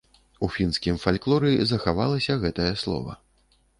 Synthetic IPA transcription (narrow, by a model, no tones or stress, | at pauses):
ufʲinskʲimfalʲklˠɔɾɨzɐxavalˠɐsʲɐɣɛt̪ɐjɐslˠɔ̰vɐ̰